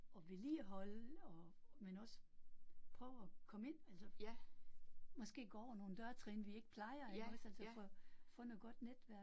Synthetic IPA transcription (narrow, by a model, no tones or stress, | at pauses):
ɒ̽ʋeliːæɦɒ̽lɒmenɒ̽səpʰʁœːʊɒkʰɒ̽me̝n̰ælsɐ | mɒ̽sɡ̥e̝̰ːɡ̥ɒ̰ːɒno̝ːn̩d̥ɶɐt͡sʰʁɛːnʋie̝ɡ̥əpʰlɑ̈ɪɐeɡ̥ɒ̽sæl̰səfɒfɔ̽noðˠɡ̥ɒ̽d̥ned̥ʋæɐ̰̥